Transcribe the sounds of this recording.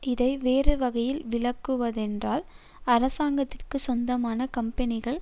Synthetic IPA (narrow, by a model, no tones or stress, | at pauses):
ɪðɐɪʋeːrɯʋɐɣɐjɪlʋɪɭɐkːɯʋɐðɛndraːl | ɐɾɐsaːŋɡɐt̪ːɪrkɯsɔnd̪ɐmaːnɐkɐmpɐnɪɣɐɭ